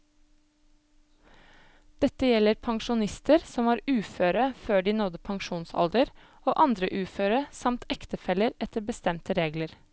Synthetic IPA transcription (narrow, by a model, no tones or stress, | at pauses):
d̪̥ɛt̪əjɛləɾpʰɑŋʃʊnɪst̪əɾsɔmʋɑːɾʉːføːɾəføːɖiːnɔd̪əpʰɑŋʃuːnsɑ̰ld̪əɾ | oːʔɑnd̪ɾəʔʉːføːɾəsɑmt̪ɛkt̪əfɛləɾɛt̪əɾbəst̪ɛmt̪əɾeːɡləɾ